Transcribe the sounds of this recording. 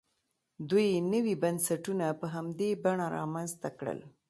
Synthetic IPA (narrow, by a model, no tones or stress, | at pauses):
d̪ujnəwibansaʈunapəɦamd̪ebaɳaɾɑ̰manzt̪akɽə̰l